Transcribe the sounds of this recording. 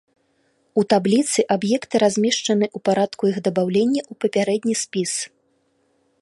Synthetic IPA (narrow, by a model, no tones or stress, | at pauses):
ut̪ablʲit̪sɨʔabjɛkt̪ɨɾazʲmʲɛʂt͡ʂɐnɨʔupaɾat̪kujiɣd̪ɐbawlʲenʲːɐʔupɐpʲaɾɛd̪ʲnʲisʲpʲis